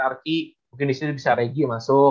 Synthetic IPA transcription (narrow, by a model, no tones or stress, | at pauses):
art̪imukɪnist̪ubisaɾeɡimasʊ